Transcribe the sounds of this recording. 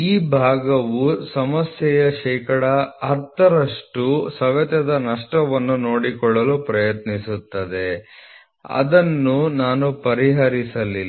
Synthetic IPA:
iːbʱaːɡɐʋusɐmɐsjɛjɐʃɛːkɐɽɐɐɾt̪ʰɐɾɐʂʈusɐʋɐt̪ɐd̪ɐnɐʂʈɐʋɐnːuno̞ːɽikɔɭːɐlupɾɐjɐt̪nisut̪ːɐd̪e̞ | ɐ̰d̪ɐnːunaːnupɐɾiɦɐɾisɐli

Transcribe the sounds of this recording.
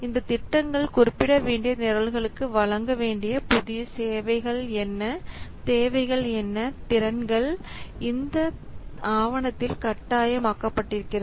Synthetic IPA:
ɪnd̪ɐt̪ɪʈːɐŋɡɐɭkʊɾɪpːɪɽɐʋeːɳɖɪjɐnɪɾɐlɣɐɭɯkːɯʋɐɭɐŋɡɐʋeːɳɖɪjɐpʊðɪjɐseːʋɐɪɣɐɭɛnːɐt̪eːʋɐɪɣɐɭɛnːɐt̪ɪɾɐnɡɐɭ | ɪnd̪ɐaːʋɐɳɐt̪ːɪlkɐʈːaːjɐmaːkːɐpːɐʈːɪɾɯkːɪrɐðɯ

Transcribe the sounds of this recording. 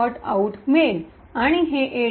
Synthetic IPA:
ɔʈa̰uʈmel | aɽ̃iɦeʔe

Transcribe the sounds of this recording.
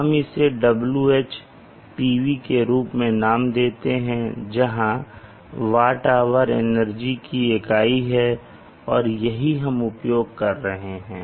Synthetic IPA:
ɦɐmɪseɖɐbljueːt͡ʃ | piːʋikeɾuːpmẽnaːmd̪eːt̪eɦɛ̃d͡ʒɐɦã | ʋaːʈaːʋəɾḛnəɾd͡ʒikiekaːiɦɛ | ɔːɾjɐɦiɦɐmʊpjoːɡ̚kɐɾːɐɦeɦɛ̃ː

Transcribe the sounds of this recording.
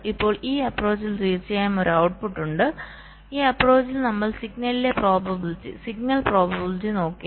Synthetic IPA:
ipːo̞ːɭiːɐpro̞ːt͡ɕːilt̪iːrt͡ɕːɐjaːmo̞ɾuɐwʈ̚puʈːuɳɖɨ | iːɐpro̞ːt͡ɕːilnɐmːɐɭsiɡnɐlile̞pro̞ːbɐbiltːḭsiɡ̚nɐlpro̞ːbɐbilt͡ɕːino̞ːkːi

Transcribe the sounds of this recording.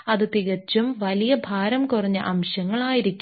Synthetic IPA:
ɐðɨt̪iɣɐt͡ɕːumʋɐlijɐbʱaːɾɐmkurɐɲːɨʔɐmɕɐŋːɐɭaːjiɾikʲːu

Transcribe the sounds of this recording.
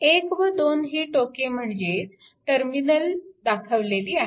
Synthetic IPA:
ekʋəd̪onɦiːʈokem̤əɳd͡ze | ʈəɾminəld̪akʰəʋleliːaɦe

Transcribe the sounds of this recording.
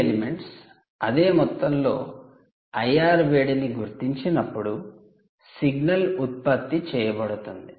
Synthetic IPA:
elimeɳʈs | ɐd̪e̞ːmɔt̪ːɐmlo̞ː | ɐjaːɾʋeːɽiniɡuɾt̪iɲt͡ʃinɐpːuɽu | siɡnɐlut̪̚pɐt̪ːit͡ʃɛːjɐbɐɽut̪und̪i

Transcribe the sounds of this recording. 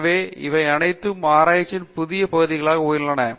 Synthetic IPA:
ʋeːɪ̰ʋɐɪɐnɐɪt̪ːɯmaːɾaːjɪt͡ʃːɪnpʊðɪjɐpɐɣɯðɪɣɐɭaːɣɐoːjɯɳɖɐnɐ

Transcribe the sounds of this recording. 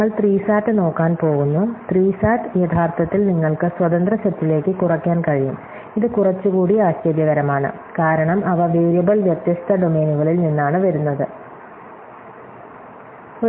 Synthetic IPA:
ɐɭt̪riːsaːtːɨno̞ːkːaːnpo̞ːɣunːut̪riːsaːtɨjɐt̪ʰaːrt̪ʰɐt̪ːilniŋːɐɭkɨswɐt̪ɐnd̪rɐɕɐt̪ːile̞ːkːɨkurɐkʲːaːnkɐɻijum | iðɨkurɐt͡ɕːuɣuːɽiaːɕt͡ɕɐɾjɐɣɐɾɐmaːɳɨ̰kaːɾɐɳɐmɐʋɐʋeːɾjɐbɐɭʋjet̪jɐst̪ʰɐɖo̞me̞ːnuɣɐɭilninːaːɳɨʋɐɾunːɐðɨ | o

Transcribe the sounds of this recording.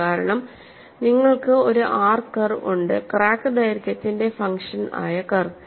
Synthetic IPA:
aːɾɐɳɐm | niŋːɐɭkɨo̞ɾuʔaːrkɐrṵɳɖɨ̰kraːkːɨdɐːjiɾkʲːɐt̪ːinde̞fɐŋkʂɐna̰ːjɐkɐr

